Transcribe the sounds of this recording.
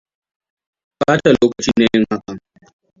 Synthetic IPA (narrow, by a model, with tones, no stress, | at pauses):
kaː˦ʈa˨loː˦kɐ˨t͡ʃiː˦neː˨˦jɪ˦ŋha˦ka˨